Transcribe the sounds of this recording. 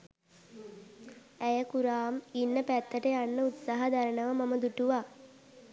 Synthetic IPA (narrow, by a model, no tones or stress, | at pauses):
æjəkuɾaːminːəpæt̪ːəʈəjanːəut̪saːɦəd̪aɾənəʋəmaməd̪uʈuʋa